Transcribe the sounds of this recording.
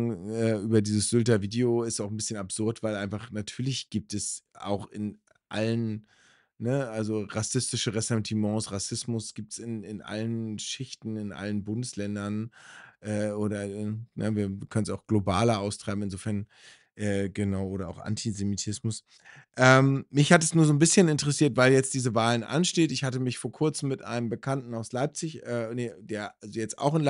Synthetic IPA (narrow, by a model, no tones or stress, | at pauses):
ɛːʔyːbɐdiːzəsz̥ʏltɐviːdeoɪstaʊxn̩bɪsçənapz̥ʊɐtv̥aɪlʔaɪnfaχnatʰyːɐlɪçɡ̥iːp̚tɛsʔa̰ʊxɪn | ʔa̰lən | nəalzoʁasɪstɪʃəʁɛsɛ̃ntʰimɑ̃ːsʁasɪsmʊsɡ̥iːp̚tsɪnɪnʔa̰lənʃɪçtn̩ɪnʔa̰lənbʊndəslɛndɐnʔɛːʔoːɾɐnəviːɐviːɐkʰœnən̩saʊxɡ̥lobaːlɐʔaʊstʁ̥aɪbm̩ɪnzoːfɛɐn | ʔɛːɡ̥ənaʊʔoːɾɐa̰ʊxʔa̰ntʰizemitʰɪsmʊs | ʔɛːmːɪçhatɛsnuːɐzoːnbɪsçənɪntəʁɛsiːɐtv̥aɪljɛt͡st̚d̥iːzəvaːlənʔa̰nʃteːtɪçhatəmɪçfoːɐkʰʊɐt͡sm̩ːɪtʔa̰ɪnəmbəkʰantn̩aʊslaɪp̚t͡sɪçɛnːd̥eːɐalzojɛt͡sta̰ʊxɪn